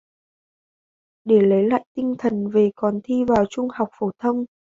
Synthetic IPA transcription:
ɗe˧˩lə˨˦jla̰ː˧˨jt̪ï˧ŋ̟t̪ʰə˨˩nve˨˩kɔ˨˩nt̪ʰi˧vaː˨˩wt͡ɕʊ˧ŋ͡mha˨˩wk͡p̚fo˧˩t̪ʰə˧wŋ͡m

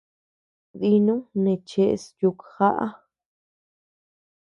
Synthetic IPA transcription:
ði˧nũ˦nẽ˧˨t͡ʃe˧ʔsju˧kxa˦ʔa̰˦

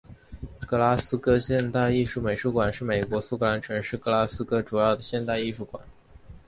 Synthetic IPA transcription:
kɤ˥la˥sɹ̩˥kɤ˥ɕjɛ˥˧nt̪a˥˧ɪi˥˧ʂu˥˩me˨˩ɪʂu˥˩kwa˨˩nʂɻ̩˥˩me˨˩ɪkwɔ˧˥su˥kʰɤ˧˥˩la˧˥nʈ͡ʂʰɤ˧˥ŋʂɻ̩˥˩kɤ˥la˥sɹ̩˥kɤ˥ʈ͡ʂu˨˩jɑ˥˩ʊd̪ə˩ɕjɛ˥˧nt̪a˥˧ɪi˥˧ʂu˥˩kwa˨˩˦n

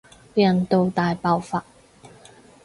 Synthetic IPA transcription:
pe˥jɐ˨˩nt̪o˨˧wt̪aː˨jpaː˧wfaː˧˥t̚

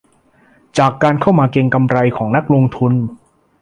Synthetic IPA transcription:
t͡ɕaː˨˩kːaː˧nkʰa˥˩wmaː˧ke˧ŋka˧mɾa˧jkʰɔː˩˦ŋna˦˥k̚loː˧ŋt̪ʰu˧n

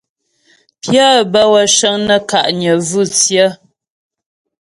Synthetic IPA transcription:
pjə˦bə˦wə˨ʃə˦ŋnə˦ka˨ʔɲə˨vʉ˦˨t͡sjə˦

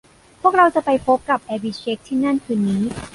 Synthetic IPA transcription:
pʰu˥˩ək̚ɾa˧wt͡ɕa˨˩pa˧jpʰo˦˥p̚ka˨˩p̚ʔɛː˧bi˧˩t͡ɕʰe˦˥k̚t̪ʰiː˥˩na˥˩nkʰɯː˧˥nːiː˦˥

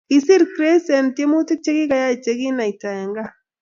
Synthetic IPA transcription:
i˨si˦ɾkɾe˦sɛ˨ntje˦mu˦tɪ˦k̚t͡ʃe˦ki˦ka˨˦ja˦˨t͡ʃe˨ki˦na˨jta˨ɛ˨ŋɡa˦

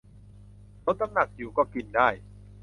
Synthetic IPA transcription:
lo˦˥t̪̚ʰːa˥˩na˨˩k̚ju˨˩˦kɔː˥˩ki˨˩ndaː˥˩j

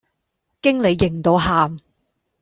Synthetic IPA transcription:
kɪ˥ŋle˨˧jːɪ˨˩ŋt̪o˨˧˥wɦaː˨m

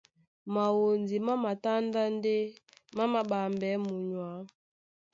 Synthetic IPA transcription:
ma˨wo˨nzi˨ma˦ma˨ta˦nda˦n˦de˦ma˦ma˨ba˨mbɛ˨˦mu˨ɲwa˨˦

